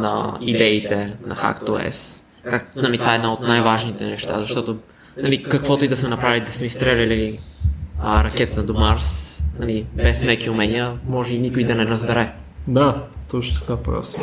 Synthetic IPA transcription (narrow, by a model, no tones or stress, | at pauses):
nɐ̰id̪ɛit̪ɛnɐ̰xa̰kt̪oɛ̰s | kaknalit̪ovaɛd̪naot̪najvaʒnit̪ɛnɛʃt̪a̰zɐʃt̪ɔt̪o | nɐlikɐkvɔt̪oʊid̪ɐsmɛnɐpɾavilid̪ɐsmɛist̪ɾɛlʲɐli | əɾɐkɛt̪nɐd̪omaɾsnɐlibɛsmɛkiʊmɛniəmɔʒɛinikʊid̪ɐnɛɾɐzbɛɾɛ | d̪at̪ɔt͡ʃʊ̥t̪kapɾa̰s